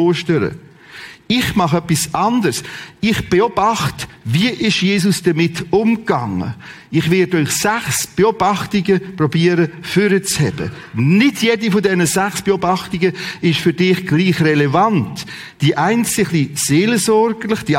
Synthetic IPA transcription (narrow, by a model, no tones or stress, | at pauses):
oːʃtəɾə̰ | ɪχmɑχœpːisɑndərsɪχb̥eɔb̥ɑχt | viəʔɪʃjeːsʊsd̥ɐmɪtʊmɡ̥ɑ̰ŋə̰ | ɪχvɪdœʏχsæχsb̥eobɑχtɪɡəprɔbiəɾəfyɾət͡shɛb̥ə̰ | nɪdʰjedifodɛnəzæχsb̥eobɑχtɪɡəɪʃfʏdɪχɡ̥liːχrɛlɛvɑnt | d̥iʔaɪnt͡sɪχliseːlsɔɾɡəlɪχd̥i